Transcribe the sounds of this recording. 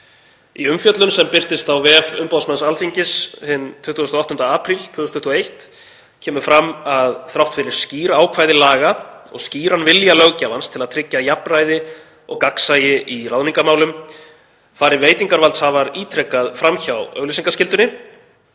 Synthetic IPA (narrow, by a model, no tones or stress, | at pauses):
iʏmfjœt̪lʏnsɛmpɪr̥t̪ɪst̪awvɛfʏmpawsmɛnsalfiɲcɪshɪnt̪ʰʏt̪ːust̪ɔɔht̪ʏnt̪aaːpʰɾilt̪ʰvʏːðʏst̪ʰʏht̪uejht̪ | cʰɛːmʏfɾamːaðθɾawht̪fɪɾɪɾ̥sciːɾaːwkʰvaːjðɪlaːɣaɔ̰ɣsciːɾanvɪljalœɣcavanst̪ʰɪlaðt̪ʰɾɪcːajaprajðɪ | ɔ̰ɣkaksajɪʔiraðniŋkamaːwlʏm | faːɾɪveːjt̪iŋkaɾvalt̪shavaɾiːt̪ʰɾɛkːaðfɾamçawœ̰ɣlisiŋkascɪlt̪ʏnɪ